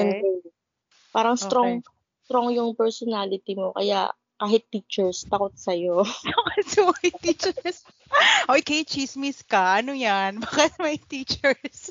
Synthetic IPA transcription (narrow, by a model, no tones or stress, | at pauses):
ʔɛnɛ | paːɾɐŋsɾoŋ | st̪ɾoŋjʊŋpɛɹsɔnaːlɪt̪imokɐ̰ja̰ | kaːɦɪt̪ːiːt͡ʃɛɹst̪ɐkot̪̚sɐjokɐsoɐɪt̪iːt͡ʃɛɹs | ʔojkejt͡ʃismiskɐʔɐnojanbakɐmɐjt̪iːt͡ʃɛɹs